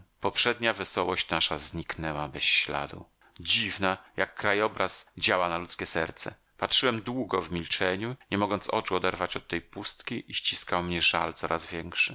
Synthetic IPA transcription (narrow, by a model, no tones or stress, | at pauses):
pɔpʂɛd̪ɲavɛsɔwɔɕt͡ɕnaʂazɲiknɛwabɛsɕla̰d̪ṵ | d͡ʑivnajakːɾajɔbɾasd͡ʑawanalut̪skʲɛsɛɾt̪sɛ̰ | patʂɘwɛmd̪wuɡɔvmʲilt͡ʂɛɲuɲɛmɔɡɔnt̪sɔt͡ʂuɔd̪ɛɾvat͡ɕɔt̪ːɛjpust̪kʲiʔiɕt͡ɕiskawmɲɛʐa̰lt̪sɔɾʔazvʲjɛŋkʂɘ